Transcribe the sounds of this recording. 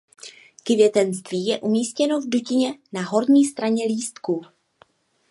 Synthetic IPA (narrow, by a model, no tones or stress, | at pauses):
kvjɛt̪ɛnst̪viːjɛʔumiːscɛno̞vducɪɲɛnaɦo̞ɾɲiːst̪ɾaɲɛliːst̪ku